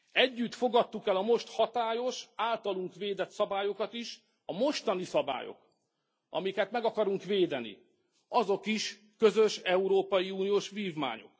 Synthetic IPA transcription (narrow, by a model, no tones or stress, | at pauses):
ɛɟːyt̪fo̞ɡɒt̪ːukɛlɒmo̞ʃt̪hɒt̪aːjo̞ʃaːlt̪ɒluŋkʋeːd̪ɛt̪sɒbaːjo̞kɒt̪iʃ | ɒmo̞ʃt̪ɒnisɒba̰ːjo̰k | ɒ̰mikɛt̪mɛɡɒkɒɾuŋkʋeːd̪ɛnḭ | ɒzo̞kiʃ | køzøʃɛuɾoːpɒjiuːnijoːʃʋiːvma̰ːɲo̞̰k